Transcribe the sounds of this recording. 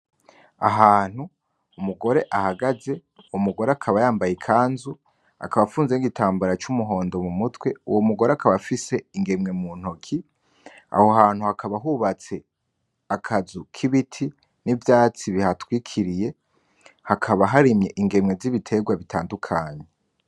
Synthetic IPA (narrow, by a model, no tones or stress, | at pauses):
a̰ɦaːn̥hu | umuɡo̞ɾe̞ʔahaɡaze̞ | umuɡo̞ɾeakʰaβajaːmbajikʰaːnzu | a̰kaβafuːnzeniɡitʰaːmbaɾat͡ʃumuɦo̞ːndo̞mumutwe̞ṵwomuɡo̞ɾeakʰaβafise̞iŋɡe̞mŋe̞muːn̥hokʰi | a̰ho̞haːn̥huhakʰaβaɦuβat͡se̞ | akʰazukʰiβitʰi | nivjaːt͡siβihatwiːkʰiɾije̞ | hakʰaβaɦaɾimɲe̞ʔiŋɡe̞mŋe̞ziβitʰe̞ɡwaβitʰaːndukʰaːɲe